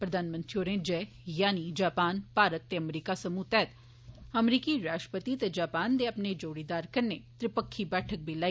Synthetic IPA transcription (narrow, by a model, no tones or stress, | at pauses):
pɾɐd̪aːnmə̃nt̪ɾioːɾẽːd͡ʒɛː | jaːnid͡ʒaːpaːnpaːɾət̪ːeɐmɾiːkasɐmut̪ɛːt̪ | ɐmɾiːkiɾaːʃʈəpət̪it̪ed͡ʒaːpaːnd̪eɐpned͡ʒoːɽiːd̪aːɾkɐɾnet̪ɾɪpəkʰːibɛːʈʰək̚bʱilaːi